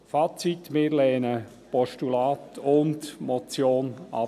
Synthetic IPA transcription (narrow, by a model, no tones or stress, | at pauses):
faːt͡sitmɪːɾlɛːnə | pɔʃtulaːt̪ʰʊntmɔt͡sjoːnɑ̰